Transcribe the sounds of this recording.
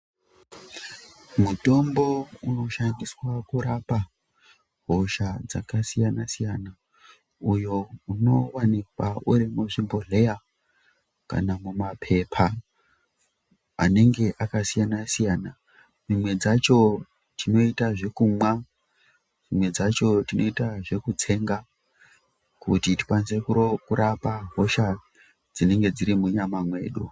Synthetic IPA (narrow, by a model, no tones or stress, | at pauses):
muto̞mbo̞uno̞ʃaŋɡiswakuɾapa | ɦoʃad͡zakasijanasijana | ujouno̞wanik̚wauɾimuʐimbo̞ɮe̞ja | ka̰namumapʰe̞pʰa | a̰ne̞ŋɡe̞ʔakasijanasijaːna | mimwe̞d͡zat͡ʃo̞ | tʰino̞itaʐe̞kumwa | d͡zimwe̞d͡zat͡ʃo̞tino̞itaʐe̞kut͡se̞ŋɡa | kṵtiti̥pwanze̞kuɾokuɾʔapaɦo̞ʃa | d͡zine̞ŋɡe̞d͡ziɾimuɲamamwe̞̰ːɗu